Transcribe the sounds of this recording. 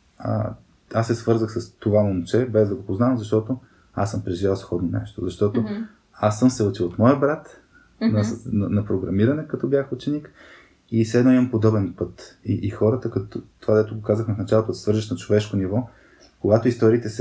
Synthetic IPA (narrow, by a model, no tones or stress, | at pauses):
ə̰ | asːɛsvɤɾzəxsəst̪ovamomut͡ʃɛbɛzd̪ɐɡopoznavmzɐʃt̪ɔt̪o | asəmpɾɛʒivʲalˠsxɔd̪nonɛ̰ʃt̪ozɐʃt̪ɔt̪o | asːəmsɛot͡ʃilˠot̪mɔjəbɾat̪ | nsnɐnɐpɾoɡɾɐmiɾɐnɛkɐt̪ɔbjaxut͡ʃɛnik | isɛd̪nɔimɐmpod̪ɔbɛnpɤt̪iʔixɔɾət̪əkɐt̪t̪ːovad̪ɛt̪ʊɡokazəxnɐfnɐt͡ʃalˠot̪od̪ssvɤɾʒəʃnɐt͡ʃovɛʃkonivɔ | koɡat̪oist̪ɔɾit̪ɛsɛ